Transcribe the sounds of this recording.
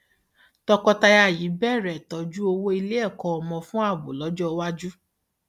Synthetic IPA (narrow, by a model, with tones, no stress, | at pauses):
tɔ˧kɔ˧ta˧ja˦˨ji˨˦bɛ˦˨ɾɛ˨tɔ˨d͡ʒu˦o˧wo˦i˧le˦ɛ˦˨kɔ̃˧ɔ˧mɔ̃˧fũ˦a˦˨bo̰˨lɔ˨˦d͡ʒɔ˦˧wa˦d͡ʒu˦